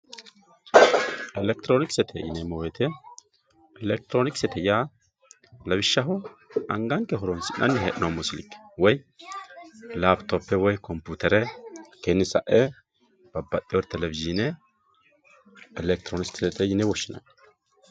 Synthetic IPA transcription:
ʔɛlɛk̚t̪ɾoːnɪksɛt̪ʰɛ̰jɪ̰nɛmɔwɛt̪ʰɛ | ɛlɛk̚t̪ɾoːnɪksɛt̪ʰɛja | lɐbɪʃːɐɦɔɐŋɡɐŋkːɛɦɔɾɔnsɪʔʔɐ̰nːɪɦɛʔɪnamɔsɪlɪkːwɔj | laːbt̪opːɛwɔjkɔmpuːt̪ɛɾɛkeːnːɪsɐ̰ʔɛ | b̥ɐbːɐt̪ʼːɪwɔɾt̪ɛlɛvɪziːnɛ | ɛlɛk̚t̪ɾoːnɪst̪sɛt̪ɛjɪnɛwɔʃːɪnɐ̰n

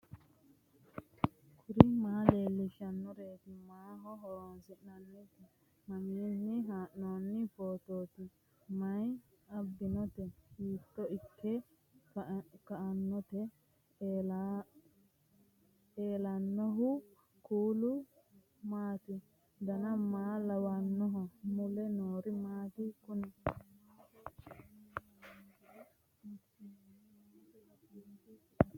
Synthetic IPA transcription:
kʰʊɾɪmaːle̞ːlːɪʃɐnːʊɾe̞ːt̪ɪmaːɦɔɦɔɾansɪʔnɐnːɪt̪ɪ | mɐmiːnːɪɦaːʔnoːnːɪfo̞ːt̪o̞ːt̪ɪ | mɐj | ɐbːɪnɔt̪ɛhiːt̪ːɔɪkːɛ | kɐʔɐnːɔt̪ɛ | eːlɐnːɔɦʊ | kuːlʊ | maːt̪ɪ | d̪ɐnɐmaːlɐwanːɔɦɔmʊlɛnoːɾɪmaːt̪ɪkʊnɛ

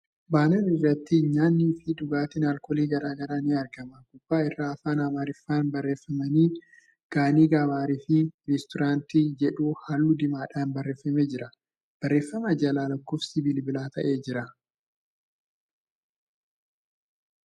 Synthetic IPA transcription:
baːnɐnɪrːɐt̪ːɪɲaːnːiːfɪd̪ʊɡaːt̪ɪnalkɔliːɡɐɾaːɡɐɾaːnɪɐɾɡɐmɐɡʊbːaːɪrːaːfaːnaːmaːɾɪfːaːnbɐrːeːfːɐmɐniː | ɡ̥aːniːɡaːβaːɾifɪɾɛst̪ʊɾaːnt̪iːd͡ʒɛᶑuːhaːlːʊd̪ɪmaːᶑaːnbɐrːe̞ːfːɐmeːd͡ʒɪɾɐ | b̥ɐrːe̞ːfːɐmɐd͡ʒɐlaːlɐkːoːfsɪbiːlbɪlaːt̪ʰɐ̰ʔe̞ːd͡ʒɪɾɐ

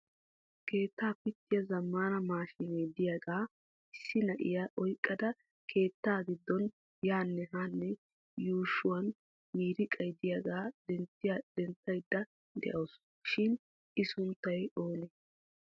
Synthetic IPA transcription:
ke̞ːt̪ːaːpɪt̪ːɪjɐzɐmːaːnɐmaːʃɪnejd̪ɪjɐɡaː | ɪsːɪnɐʔɪ̰jaʔɔjkʼːɐd̪ɐ | kʰe̞ːt̪ːaːɡɪd̪ːɔn | jaːnːɛɦanːɛ | juːʃʊwɐn | miːɾɪkʼɐjd̪ɪjɐɡaːd̪ɛnt̪ːɪjɐd̪̥ɛnt̪ːɐjd̪ːɐ | d̪ɛ̰ʔɐws | ʃɪn | ʔɪsʊnt̪ːɐjo̞ːnɛ

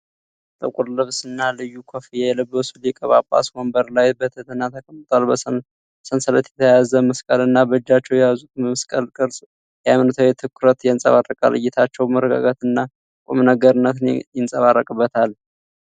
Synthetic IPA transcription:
t̪ʼəkʼʊɾlɨβsɨnːalɨjːukʷʰofijɛjɛlɨbːəsulɪkʼəβapʼːa̰shombəɾlajbət̪ʰət̪ʰɨnːat̪ʰəkʼəmt̪ʼwalbə | sənsələt̪jɛt̪ʰəjazəməskʼəlɨnːabəd͡ʒːat͡ʃːɛwjɛjazut̪̚məməskʼəlkʼɨɾsʼ | jɛamnɨt̪ʰəwet̪ʰɨkːʊɾət̪jɛnsʼə̰βarːəkʼa̰lɨ̰jːɪt̪ʰat͡ʃːɛwməɾəɡa̰ɡat̪ɨnːa | kʷʼo̰mnəɡəɾɨnːət̪njɪnsʼəβarːəkʼɨbːət̪ʰal

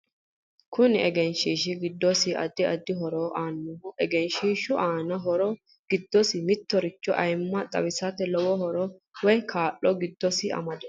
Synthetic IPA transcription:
kʊnɪɛɡɛnʃiːʃɪɡɪd̪ːɔsɪɐ̰d̪ɪɐd̪ːɪɦɔɾoːʔaːnːʊmɔʔɛɡɛnʃiːʃʊʔaːnɐɦɔɾɔ | ɡ̥ɪd̪ːɔsɪmɪt̪ːɔɾɪt͡ʃːɔʔɐjmːɐt̪ʼɐ̰wɪsɐt̪ɛlɔwɔhɔɾɔ | wɔjkʰaːʔːɔɡɪd̪ːɔsɪɐ̰mɐd̪ɛ

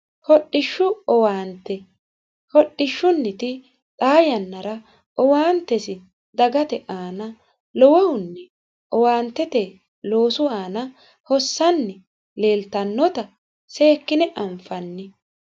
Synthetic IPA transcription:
hɔɗːɪʃːʊɔwaːnt̪ːɛ | hɔɗɪʃːʊnːɪt̪ɪ | t̪ʼaːjɐnːɐɾɐ | ɔwaːnt̪ːɛsɪ | d̪ɐɡɐt̪ɛʔaːnɐ | lɔwɔwʊnːɛ | ʔɔwaːnt̪ːɛt̪ɛ | lo̞ːsʊaːnɐ | hɔsːɐnːɛ | le̞ːlt̪ɐnːɔt̪ɐ | se̞ːkːɪnɛʔɐɱfɐnːɪ

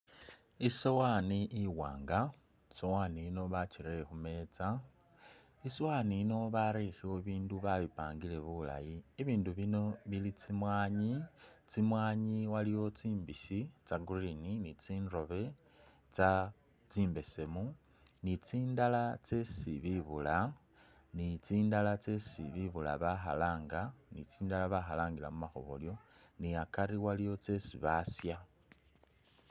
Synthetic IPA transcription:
isowaniʔiwa̰ːŋɡa | sowaːniːno̞βat͡ʃiɾexume̞ːt͡sa | isowaniːno̞βaɾixiwo̞iβiːnduβaβipaːŋɡile̞βula̰jiːβiːnduβino̞βilit͡simwaːɲit͡simwaːɲiwaliwo̞t͡siːmbiʃit͡saɡurininit͡siːnro̞βe̞ | t͡sa | t͡siːmbe̞se̞mu | nit͡siːndalat͡se̞siβiβula | nit͡siːndalat͡se̞sḭβiβula̰βaxa̰laːŋɡanit͡siːndalaβaxalaːŋɡila̰mumaxo̰βo̰ljo̞niakaɾiwalijo̞t͡se̞sḭβasja

